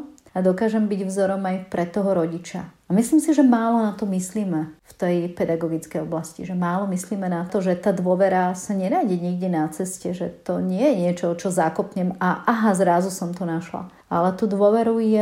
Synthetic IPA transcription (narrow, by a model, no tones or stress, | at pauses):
ad̪ɔkaːʒɛmbiɟvzɔɾɔmajpɾɛt̪ːɔɦɔɾɔɟit͡ʃa̰amisliːmsiʒɛmaːlɔnat̪ɔmisliːmɛft̪ɛjpɛd̪aɡɔɡit͡skɛjɔblascḭʒɛmaːlɔmisliːmɛnat̪ɔʒɛt̪aːd̪ʊɔʋɛɾasaɲɛɾaːɟiɲiɡɟɛnat͡sɛscɛʒɛt̪ɔɲɪɛjɛɲɪɛt͡ʃɔt͡ʃɔzakɔpɲɛmaʔaɦazɾazusɔmt̪ɔnaʃla̰ | alɛt̪uːd̪ʋʊɔʋɛɾujɛ